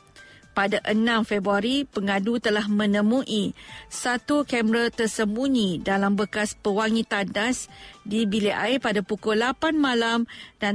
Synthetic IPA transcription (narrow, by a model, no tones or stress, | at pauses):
padaʔənãmfɛbɾuaɾipəŋadut̪əlahmə̃nə̃mũʔisat̪ukɛmɾət̪ərsəmbuɲĩdalambəkaspəwaŋĩt̪andasdibiliʔajpadapukʊlapanmãlamda